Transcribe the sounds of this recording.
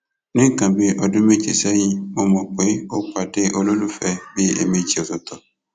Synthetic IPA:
nɪ̃˦kã˨be˦ʔɔ˨dʊ̃˦me˦t͡ʃe˨sɛ˦ɲĩ˦o˦mɔ̃˨k͡pe˨˦o˦k͡pa˨de˦ʔo˦lo˦lu˦fɛ˦be˦ḛ˨me˨d͡ʒi˨ɔ˨zɔ˨t̪ɔ˨

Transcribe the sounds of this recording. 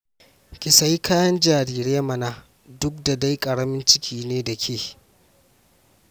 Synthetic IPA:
kʲɪ˨sa˦jkʰaː˦jɐ˦nd͡ʒaː˨ɾiː˦ɾeː˦mɐ˨na˦ | dʊ˦k̚da˨da˦jkʼɐ˨ɽɐ˦mɪ˦nt͡ʃɪ˦kʲʰiː˨neː˦da˨kʲʰeː˦˨

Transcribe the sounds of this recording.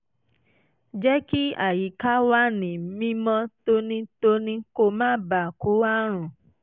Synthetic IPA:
d͡ʒɛ˦ki˦a˨ji˨˦ka˦wa˦nĩ˨˦mĩ˦mɔ̃˦to˧nĩ˦to˦˧nĩ˦ko˧˨mãː˦ba˨ku˨˦a˦ɾ̃ũ˨

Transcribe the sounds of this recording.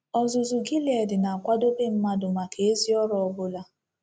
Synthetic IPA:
ɔ˨zʊ˨zʊ˨ɡi˦le˨dɪ˨na˨a˨kʷa˦do˦be˦m̩˦ma˦dʊ˨ma˨ke˨e˦zi˦ɔ˦ɾɔ˨ɔ˨bʊ˦la˦

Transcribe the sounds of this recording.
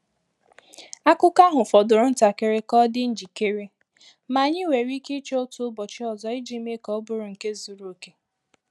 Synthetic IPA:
a˦kʊ˦ka˦ɦʊ˨fɔ˨dʊ˨ɾʊ˦n̩˦ta˨ke˨ɾe˦kɔ˦dɪ˦n̩˦d͡ʒi˨ke˦ɾe˦ | ma˨ɲɪ˦we˨ɾi˦ke˦t͡ʃe˦o˦tʊ˦bɔ˨t͡ʃɪ˦ɔ˨zɔ˨ɪ˦d͡ʒi˦me˦kɔ˦bʊ˦ɾʊ˨ŋ̩˨ke˦zu˨ɾu˨o˨ke˦

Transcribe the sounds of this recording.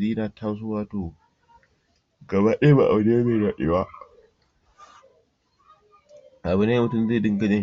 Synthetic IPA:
diː˦naː˨tʰa˦ws̬ʊ˦waː˦toː˨ | ɡɐ˨baː˦ɗe˦ba̰˨ʔa̰˨bne˦meː˦˨ɽaː˨ɗḛ˦ba˦ | ʔa˨bʊ˦na˦mʊ˨tʊ˦˨mzeː˦˨dɪ˦ŋɡɐ˦d͡ʒe˦

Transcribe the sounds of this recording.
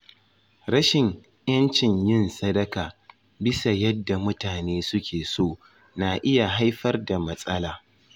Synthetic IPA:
ɾɐ˦ʃɪ˨ŋ | j̰ɐ˦nt͡ʃɪ˨ɲjɪ˦nsɐ˦dɐ˦kaː˨ | bɪ˦sa˨jɐ˦dːa˨mʊ˦taː˨neː˦sʊ˦kʲʰeː˨soː˦˨ | na˨ʔɪ˦ja˨ɦa˦jɸɐ˦rda˨mɐ˦sʼɐ˦laː˨

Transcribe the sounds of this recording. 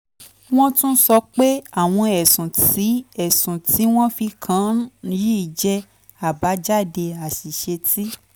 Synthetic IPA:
w̃ɔ̃˦tũ˦sɔ˧k͡pe˦a˦˨w̃ɔ̃˧ɛ˨sũ˨ti˨˦ɛ˦˨sũ˨tʰi˨˦w̃ɔ̃˦fi˧kʰã˨˦˧ji˦i˨d͡ʒɛ˧ | a˨ba˨˦d͡ʒa˦˨de˧a˨si˨ʃe˧tʰi˦

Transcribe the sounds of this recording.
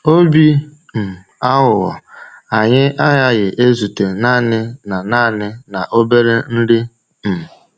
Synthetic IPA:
o˦bi˦ | m̩˨ | a˦ɦʊ˨ɣɔ̰˨a˨ɲɪ˦ʔa˦ja˦ɣɪ˨ʔe˦zu˨te˨naː˦˨nɪ˦na˨naː˦˨nɪ˦na˨ʔo˦be˦ɾe˦n̩˦dɪ˦ | m̩˨

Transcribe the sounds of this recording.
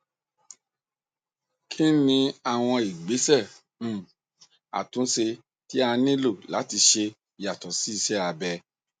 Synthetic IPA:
kʰi˦nĩ˧˦a˦˨w̃ɔ̃˧i˨ɡ͡be˨˦sɛ̃˦˨ | a̰˨tũ˨˦se˧ | ti˦a˧nĩ˦lo˦˨la˨˦ti˧ʃe˧ | i˨ja˨tɔ˨si˨˦i˦˧ʃɛ˦a˧bɛ˧

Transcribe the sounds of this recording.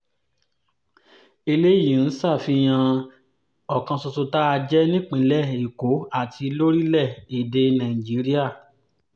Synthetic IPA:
i˧le˦jĩ˨n̩˦sa˦˨fi˧j̃ã˧ | ɔ˨kã˧sɔ˧so˧ta˦a˧d͡ʒɛ˦nĩ˦k͡pĩ˧˨lɛ˦˨i˨ko˨˦a˦˨tʰi˧lo˦ɾi˦lɛ˦˨i˨de˧nã˨ĩ˨d͡ʒi˨˦ɾi˦a˦˨

